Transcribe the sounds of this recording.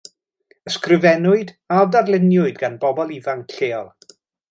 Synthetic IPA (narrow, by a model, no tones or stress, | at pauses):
əskrɨvɛnʊɨd | adarlˠɪnjʊɨdɡanbɔbɔlˠivaŋɬeːɔlˠ